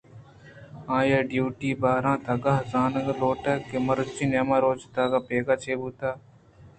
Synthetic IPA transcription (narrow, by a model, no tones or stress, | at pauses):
ãːjaːɖjuːʈiːbaːɾãːt̪aːɡaɦzaːnəɡloːʈaːkːeməɾt͡ʃinamaːɾoːt͡ʃt̪aːɡaːpeːɡaːt͡ʃʰeːbuːt̪aː